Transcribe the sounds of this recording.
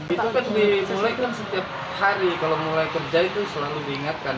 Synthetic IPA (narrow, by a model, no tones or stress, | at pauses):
dit̪ukat̪̚dimulajkansət̪iap̚ | haɾikalawmulajkərd͡ʒait̪usəlaludiːŋat̪̚kan